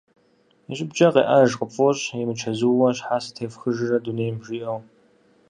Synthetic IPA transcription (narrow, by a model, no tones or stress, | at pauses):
ɕʼɪbd͡ʒʼɐqḛːʔɐʒqəfʼoɕimɨt͡ʃʰɐzuwwɐɕħaːsɨ̥tʰeːfxɨʒɪrɐduneːjmbʒiʔɐw